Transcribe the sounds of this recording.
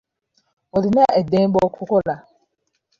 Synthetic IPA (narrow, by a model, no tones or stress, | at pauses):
ɔdɪniaʔɛdɛ̃nbɔkʰʊkɔla